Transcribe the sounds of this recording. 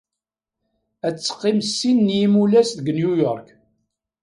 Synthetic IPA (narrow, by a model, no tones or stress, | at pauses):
æt͡sːə̥qːɪmsːinːjimulæsðəɡənjujɔɾˤk